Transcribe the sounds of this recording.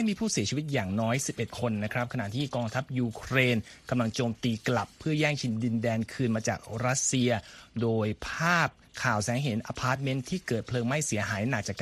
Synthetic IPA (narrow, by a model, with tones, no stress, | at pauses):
m˥˩jmiː˧pʰuː˥˩si˩˦t͡ɕʰi˧wi˦t̪̚jaː˨˩ŋnɔː˦˥jsi˨˩p̚ʔe˨˩t̪̚kʰo˧nːa˦˥kʰɾa˦˥p̚kʰa˧na̰˨˩ʔt̪ʰiː˥˩kɔː˧ŋt̪ʰa˦˥p̚juː˧kʰɾeː˧nka˧mla˧ŋt͡ɕoː˧mt̪iː˧kla˨˩pʰːɯ˥˩ɐjɛː˥˩ŋt͡ɕʰi˧ndi˧ndɛː˧nkʰɯː˧nmaː˧t͡ɕa̰ː˨˩k̚ɾa˦˥t̪̚si˧ɐdoː˧jpʰaː˥˩p̚ | kʰaː˨˩wsɛː˩˦ŋɦe˩˦nʔaː˧pʰaː˦˥t̪̚me˦˥nt̪ʰiː˥˩kɤː˨˩t̪̚pʰlɤː˧ŋma˥˩jsi˨˩˦ɐɦaː˩˦jnaː˨˩k̪̚t͡ɕaː˨˩k